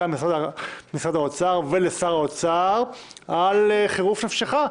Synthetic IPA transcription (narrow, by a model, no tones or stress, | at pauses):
amsaamisad̪aot͡saʁvelesaʁaot͡saʁ | aleχeʁufnafʃeχa